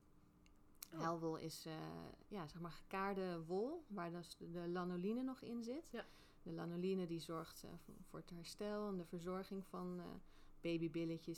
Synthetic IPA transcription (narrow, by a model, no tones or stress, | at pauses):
ɦɛlˠʋolˠɪ̰sjaːzɛχmaːɹχəkaːɹdəʋʊlˠʋaːɹdsdəlɑnolinənɔχɪnzɪt | dəlɑnolinədizɔɹχtvʊ̰ːɹətɦɛɹstɛlˠɛndəvəɹzɔɹχɪŋvɑn̰ | b̥ejbibɪləcəs